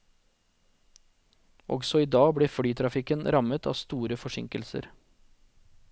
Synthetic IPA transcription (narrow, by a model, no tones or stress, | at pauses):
ɔ̰ɡsɔiːd̪ɑːɡbɽeːfɽyːt̪ʰɾɑfɪkənɾɑmət̪ʰɑ̰ːst̪uːɾəfɔʃɪ̰ŋkəlsə̰ɾ